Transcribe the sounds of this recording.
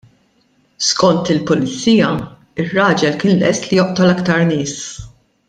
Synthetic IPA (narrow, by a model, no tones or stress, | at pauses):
skɔnt̪ɪlpʊlɪt͡sːiːjɐ | ɪrːɐːd͡ʒɛlkɪːnlɛst̪lijɔʔt̪ɔlɐkt̪ɐɾnɪːs